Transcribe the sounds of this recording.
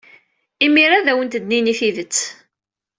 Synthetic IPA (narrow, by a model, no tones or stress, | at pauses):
imiɾaðæwənt̪əd̪niniθiðət͡sː